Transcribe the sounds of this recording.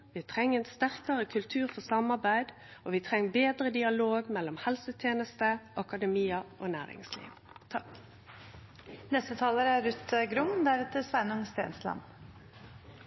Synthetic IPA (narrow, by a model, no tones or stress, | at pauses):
ʋiːt̪ʰʁɛŋːɛːnst̪æʁkəʁəkʰʉlt̪ʰʉːʁfɔsɑmɑʁbæɪd̪ | ʔoːʋiːt̪ʰʁɛŋːbeːd̪ɾəd̪ɪɑloːɡmɛlːɔmhɛlsət̪ʰjeːnəst̪əʔɑkɑd̪ɛmiːəʔo̰ːnæ̰ːʁɪ̰ŋslḭːʋ | t̪ʰɑk | nɛst̪ət̪ʰɑːləɾəæɾʉt̪əɡɾʊmd̪æɾʉːt̪ʰɪsʋæɪnʊŋst̪ḛːnslɑ̰m